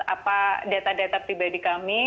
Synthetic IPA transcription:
a̰padat̪adat̪apɾibadikami

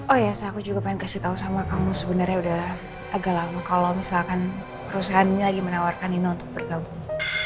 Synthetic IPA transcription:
ʔɔjasaakud͡ʒuɡapaɪnkasiht̪aɦusamakamusəbənərɲaudah | ʔaɡalamakalawmisalkan | pəɾus̬aɦanɲalaɡimənawarkaninaunt̪ʊk̚bərɡabuŋ

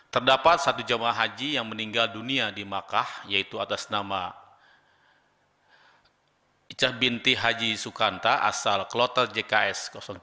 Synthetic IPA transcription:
t̪ərdapat̪̚sat̪ud͡ʒamaɦad͡ʒijaŋməniŋɡalduniadimakahjait̪uat̪asnama | it͡ʃahbint̪iɦad͡ʒisukant̪aʔa̰salklɔt̪ərd͡ʒekaɛskɔsɔŋ

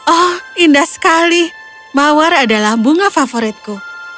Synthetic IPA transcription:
ɔhindahsə̥kali | mawaɾadalahbuŋafafoɾɪt̪̚ku

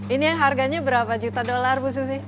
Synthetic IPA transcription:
inijaŋɦarɡaɲabəɾapad͡ʒut̪adolarbus̬us̬ɪh

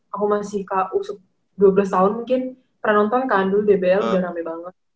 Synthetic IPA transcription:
akumasɪhkaʔusʊk̚ | duablas̬t̪aɦʊnmuŋkɪn | pərnɔnt̪ɔnkandubebeɛludaɾamɛbaŋət̪̚

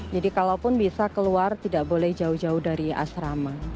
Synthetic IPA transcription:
d͡ʒadikalawpʊnbisakəluart̪idaʔbolɛhd͡ʒaʊhd͡ʒaʊhdaɾia̰sɾama

